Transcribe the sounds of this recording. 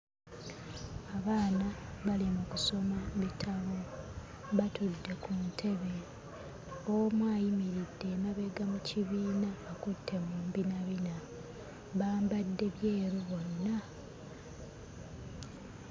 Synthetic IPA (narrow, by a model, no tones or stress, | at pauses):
aβaːnaβalimukuso̞maβitʰaβo̞ | βatudːe̞kuntʰe̞βe̞ | omwaːjimiɾidːe̞ːmaβe̞ɡamuciβiːnaβakutʰːe̞muːmbinaβina | βaːmbadːe̞βje̞ːɾuβo̞nːa